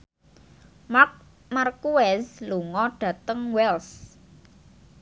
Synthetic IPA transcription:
mak̚ | markuɛsluŋɔɖ̥ä̤t̪əŋwɛls

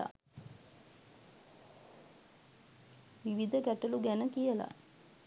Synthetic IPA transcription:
a̰ | ʋiʋid̪ʱəɡæʈəluɡænəkijəla̰

